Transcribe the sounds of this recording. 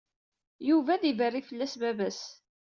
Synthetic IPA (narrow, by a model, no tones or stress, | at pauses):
juvæðivərːifəlːæsbæbæs